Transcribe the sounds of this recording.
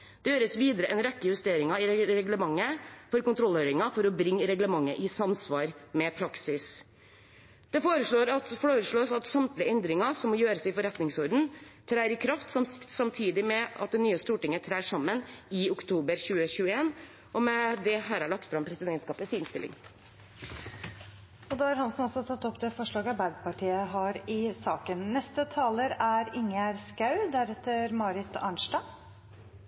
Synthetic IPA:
d̪̥ɛjøːɾəsʋiːd̪əɾəʔɛnɾɛkːəjʉst̪eːɾɪŋɑɪɾɛɡləmɑŋːəfɔɾkʊnt̪ʰɾɔløʏɾɪŋɑfɔɾɔbɾɪŋːəɾɛɡləmɑŋːə̰ʔɪsɑmsʋɑːɾmɛpʰɾɑksɪs | d̪̥ɛfoːɾəʂɭoːɾɑt̪foːɾəʂɭoːsɑt̪sɑmt̪lɪəɛnd̪ɾɪŋɑsɔmːɔjøːɾəsɪfɔɾɛt̪nɪŋsɔɾd̪n̩t̪ʰɾæːɾɪkʰɾɑft̪sɔmsɑmt̪ʰiːd̪ɪmɛɑ̰t̪̚d̪ɛnyːəst̪uːʈɪŋːət̪ʰɾæːʂɑmːənɪʊkt̪ʰuːbəɾçʉːəɕʉːəeːn | ʔɔmɛd̪ɛɦæːɾhæɭɑk̚t̪fɾɑmpʰɾɛsɪd̪ɛnt̪skɑːpəsɪnst̪ɪlɪ̰ŋ | ɔd̪ɑːæɾhɑnsɔmɔsɔt̪ʰɑt̪ːɔpt̪ɛfɔʂɭɑːɡɑbæɾɡpɑʈʰiːəɦɑɾɪsɑːkənnɛst̪ət̪ʰɑːləɾæɾɪŋæɾskɑʉd̪æɾɛt̪ːəɾmɑːɾɪt̪ɑ̰ɳʂɖɑː

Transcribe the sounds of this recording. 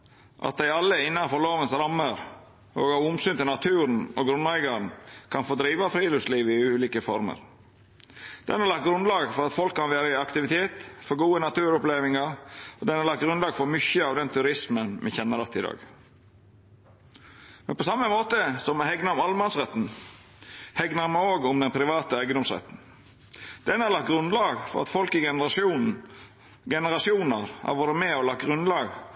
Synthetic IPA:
ʔɑ̰t̪̚d̪æɪɑlːəɪnːɑnfɔloːʋənsɾɑmːəɾ | oːɡɑʋʊmsʏːnt̪ɪlnɑt̪ʰʉːɾn̩ɔɡɾʉnæɪɡɑɾnkʰɑnfoːd̪ɾiːʋɑfɾiːlʉsliːʋɪʉːliːkəfɔɾmə̰ɾ | d̪̥ɛnhɑɾlɑk̚t̪̚ɡɾʉnlɑːɡfɔɾɑt̪fɔlkʰːɑnʋæːɾəɪɑkt̪ɪʋɪt̪ʰeːt̪fɔɾɡuːənɑt̪ʉːɾʊpleːʋɪŋɑɾɔd̪ɛnhɑɾlɑkt̪̚ɡɾʉnlɑːɡfɔɾmʏçəɑʋd̪ɛnt̪ʰʉɾɪsmənmʔɪçɛnːəɾɑt̪ːɪd̪ɑ̰ːɡ | mɛnpɔsɑmːəmoːt̪əsɔmhɛɡnəɾʊmɑlmɑnsʁɛt̪ːn̩ | hɛɡnəɾmɛoːɡʊmd̪ɛnpʰɾɪʋɑːt̪əæɪɡəɔmsʁɛ̰t̪ːn̩ | d̪̥ɛnɑɾlɑkt̪̚ɡɾʉnlɑːɡfɔ̰ɾɑ̰t̪fɔlkɪɡɛnəɾɑsuːnn̩ | ɡɛnəɾɑsɪuːnəɾhɑ̰ɾʋoːɾəmɛɔlɑkɡɾʉnlɑːɡ

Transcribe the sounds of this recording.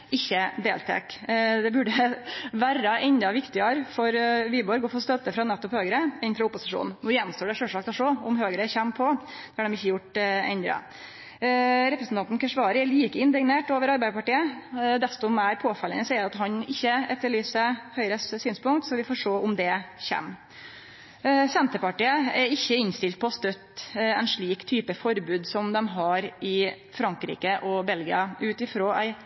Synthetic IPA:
ɪçːəd̪ḛːlt̪ʰḛːkd̪ɛbʉɖəʋæɾɑʔɛɲd̪ɑʋɪkt̪ɪəɾfɔɾʋiːbɔɾɡoːfost̪œt̪ːəfɾɑnɛt̪ːɔphøːɡəɾəɛnfɾɑʊpːʊsɪʂṵːnn̩nʊɾjɛnːst̪oːɖɛʂøːʂɑːk̚d̪ɔʂɔʊmɦøːɡəɾəçɛmːpʰɔd̪̥ɛɑɖɛmɪçːəjʊʈɛ̰nd̪ɾɑ̰ | ɾɛpɾəsn̩ɑnt̪nkəʂʋɑːɾəɛɭiːkəɪnd̪ɪɡneːʈoːʋəɾɑɾbæɪd̪əpɑʈiːəd̪ɛst̪ɔmæɪɾpʰoːfɑlːənəsɛɑt̪ɦɑɲɪçːəɛt̪ːəɭyːsəhœʏɾəssyːnspʊŋkt̪sɔʋɪfoːʂʈoːʔʊmd̪ɛçɛ̰mː | sɛnt̪əpɑʈiːəɛɾɪçːəɪnst̪ɪlt̪̚pʰɔst̪œt̪ːɛɪnʂɭiːkt̪ʰyːpəfɔɾbʉːd̪sɔmd̪ɛmɦɑɾɪ | fɾɑŋkɾḭːkəʔɔbɛlɡɪɑʔʉːt̪ɪfɾoːʔæ̰ɪ

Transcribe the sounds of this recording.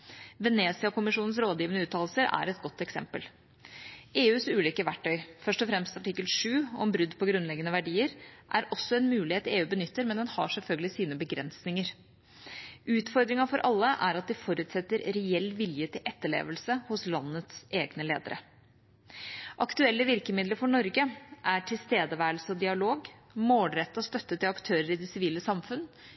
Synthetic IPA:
ʋɛneːsɪɑkʊmɪʂuːnn̩sɾoːd̪jiːʋənəʉːt̪ʰːɑːllsəɾʔæ̰ɾɛt̪̚ɡɔt̪ːɛksɛ̰mpəl | eːʉːsʉːliːkəʋæʈːœʏfœʂʈɔfɾɛmst̪ɑʈɪkːəlʂʉːɔmbɾʉd̪ːpʰɔɡɾʉnlɛɡənəʋæɖiːəɾʔæɾɔsːɔɛnmʉːlɪeːt̪ɪeːʉːbənʏt̪ːəɾmɛnd̪ɛnhɑʂɛlfœlɡəlɪsiːnəbəɡɾɛnsnɪŋəɾ | ʉːt̪fɔɾd̪ɾɪŋɑfɔɾʔɑlːəʔæ̰ɾɑt̪̚d̪ɪfɔɾʉːt̪sɛt̪ːəɾɾɛɛlːʋɪljət̪ʰɪlʔɛt̪ːəɭḛːʋəlsəhʊslɑnːət̪sʔeːɡnəlḛːd̪ə̰ɾə̰ | ʔɑkt̪ʉɛlːəʋɪɾkəmɪd̪ləɾfɔɳɔɾɡəʔæʈʰɪlst̪eːd̪əʋæːɾəlsəɔd̪ɪɑloːɡ | moːlɾɛt̪ːɔst̪œt̪ːət̪ːɪlɑkt̪ʰøːɾəɾɪd̪ɛsɪʋiːləsɑmfʉnː

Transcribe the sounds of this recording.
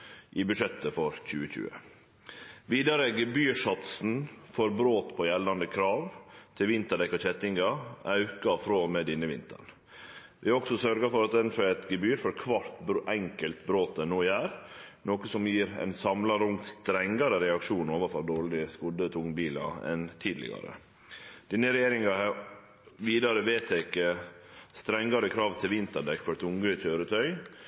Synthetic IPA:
ʔɪbʉʂɛt̪ːəfɔɾc͡çʉ̰ːəçʉ̰ːə̰ | ʋiːd̪ɑɾəɡəbyːʂɔt̪sn̩fɔɾbɾoːt̪pʰɔjɛlːɑnd̪əkʰɾɑːʋt̪ʰɪʋɪnt̪əɖɛkɑçɛt̪ɪŋɡɑʔɑʉkɑfɾoːmɛd̪ɪnːəʋɪnt̪ʰə̰ɳ | ʋɪɔksɔsœɾɡəfɔɾɑt̪̚d̪ɛnfɔɛt̪ɡəbyːɾfɔɾkʰʋɑt̪ɛŋkəlt̪bɾoːt̪̚d̪ɛnoːjæːɾnoːkəsɔmjiːɾɛ̰ɪnsɑmlɑɾʊŋt̪st̪ɾɛŋɡɑɾəɾɛɑkʂuːnoːʋɑfɔɾd̪oːɾɭɪəskʊd̪ət̪ʰʊŋbiːlɑ̰ɛ̰nt̪ʰiːd̪lɪ̰ɡɑ̰ɾə̰ | d̪̥ɪnəɾɛjeːɾɪŋɑhɑɾ | ʋiːd̪ɑɾəʋeːt̪ʰɛkəst̪ɾɛŋːɑɾəkʰɾɑːʋt̪ʰɪlʋɪnt̪əɳɖɛkfɔɾɛt̪ʊŋɡʉɪt̪ʰøːɾət̪ʰœʏ

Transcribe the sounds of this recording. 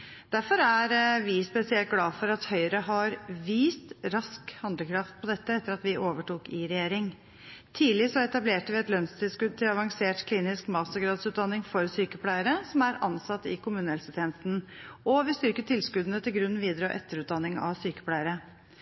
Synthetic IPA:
d̪̥æɾfɔɾæɾʋɪspɛsɪɛlt̪̚ɡlɑːfɔɾɑt̪hœʏəɾəɦɑɾʋiːst̪ɾɑskhɑnd̪ləkʰɾɑft̪̚pʰɔd̪ɛt̪ːəɛt̪ːəɾɑt̪ʋɪʔoːʋəʈuːkɪɾɛjeːɾɪŋ | t̪ʰiːlɪsɔɛt̪ɑbleːʈəʋɪɛt̪lœnst̪ʰɪlskʉd̪̚t̪ʰɪlɑʋɑŋseːʈkʰliːnɪskmɑːsəɡɾɑːd̪sʉːt̪̚d̪ɑnːɪŋfɔɾsyːkəpʰlæɪəɾəsɔmæɾɑ̰nsɑt̪ːɪkʊmʉːnəɛlsəst̪ʰɛːnsn̩ʔɔʋɪst̪ʏɾkəʈʰɪlskʉd̪nət̪ʰɪlɡɾʉnːʋiːd̪ɾɔʔɛt̪ːəɾʉːt̪̚d̪ɑnːɪŋɑ̰syːkə̥pʰlæɪəɾə

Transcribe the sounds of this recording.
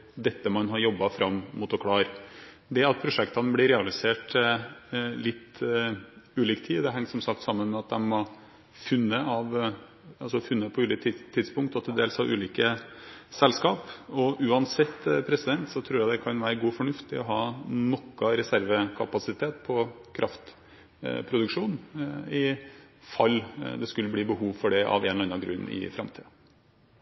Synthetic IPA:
d̪ɛt̪ːəmɑnɦɑɾjɔbːɑfɾɑmːmuːt̪ɔkʰlɑːɾ | d̪ɛɑt̪̚pʰɾʊʂɛkt̪ɑnəblɪɾɛːɑlɪseːʈ | lɪt̪ː | ʉːliːkt̪ʰiːd̪ɛɦɛŋsɔmsɑk̚t̪sɑmːənmɛɑt̪̚d̪ɛnmɔ | fʉnːəɑʋ | ɑlsɔfʉnːəpʰɔʉːliːkt̪t̪ʰːɪd̪spʊŋkt̪ɑt̪ʰːɛd̪eːlshɑɾʔʉːliːkəsɛlskɑːpɔʔʉːɑnsɛt̪ːpʰɾɛsɪd̪ɛnt̪sɔt̪ʰɾuːɾjæɪd̪ɛkʰɑnʋæːɾəɡuːfɔɳʉft̪ɪɔɦɑːnɔkːɑɾɛsæɾʋəkʰɑpɑsɪt̪ʰeːt̪pʰɔkʰɾʔɑft̪ | pʰɾʊd̪ʉkʂuːnɪfɑlːd̪ɛskʉlːəbliːbəɦuːʋfɔɖɛʔɑ̰ʋɛːnɔɑnɑɡɾʉ̰nːɪ̰fɾɑmt̪ʰḭːə

